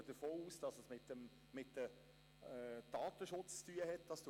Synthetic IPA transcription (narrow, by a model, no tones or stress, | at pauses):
əd̥əɾfoːuːsd̥ɑsəsmɪt̪əm | mɪtə | d̥ɑːt̪əʃʊt͡st͡styəɦɛtd̥ɑsd̥